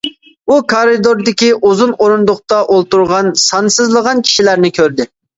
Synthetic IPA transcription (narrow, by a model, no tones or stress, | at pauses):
ukʰɑɾɨd̪oɾd̪ɪkʲiʔuzunoɾund̪ʊχt̪ɑʔolˠt̪uɾʁɑnsɑnsɨzlˠəʁɑnkʲʰi̥ʃilæɾnɪkʲʰøɾd̪ɪ